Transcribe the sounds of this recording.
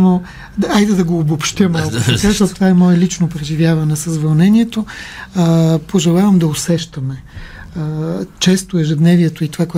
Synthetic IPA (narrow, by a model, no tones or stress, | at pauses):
no | ajd̪ɛd̪ɐɡoːbopʃt̪jəmalˠkʊt̪ɐkaʃt̪ot̪ovaɛmɔɛlit͡ʃnopɾɛʒivʲjavɐnɛsɐzvɐlˠnɛnʲiɛt̪o | poʒɛlˠavɐmd̪ɐosɛʃt̪ɐmɛ | t͡ʃɛst̪oɛʒɛd̪nɛviɛt̪oit̪ovakoɛ